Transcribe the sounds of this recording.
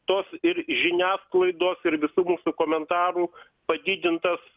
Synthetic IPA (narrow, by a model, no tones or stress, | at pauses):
t̪oːsɪɾʒʲɪnʲæːsklˠɐɪd̪oːsɪɾʋʲɪsuːmuːsukoːmʲɛnt̪ɑːɾuː | pɐd̪ʲɪd̪ʲɪnt̪ɐs